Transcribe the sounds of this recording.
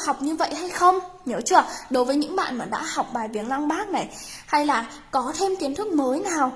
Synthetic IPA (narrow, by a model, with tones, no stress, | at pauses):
ha˨˩wk͡p̚ɲɨ˧və̰˧˨jha˧jxə˧wŋ͡mɲəː˧˩t͡ɕɨ˦˥əɗo˨˦jvəː˨˦jɲɨ̰˧˥ŋɓa̰ː˧˨nmaː˨˩ɗa̰ː˧˥ha˨˩wk͡p̚ɓaː˨˩jvi˨˩ənla˧ŋɓaː˦˥k̚na˨˩j | ha˧jlaː˨˩ | kɔ˨˦t̪ʰe˧mt̪i˨˦ənt̪ʰɨ˦˥k̚məː˨˦jnaː˨˩w